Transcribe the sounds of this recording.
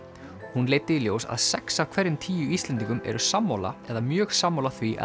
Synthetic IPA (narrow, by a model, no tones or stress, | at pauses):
hunleːjt̪ɪiljoːwsa̰ðsɛksav̥kʰvɛɾðɪmt̪ʰiːjʏist̪lɛnt̪iŋkʏmɛ̰ɾʏsamːowla̰ɛðamjœːxsamːowlaθviʔ